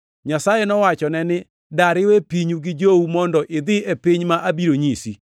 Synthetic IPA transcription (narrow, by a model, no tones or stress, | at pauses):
ɲasajɛnɔwat͡ʃɔnɛnɪ | daɾɪwepiɲuɡɪd͡ʒoumɔndɔʔɪd̪ɪepɪɲmaʔabiɾoɲisi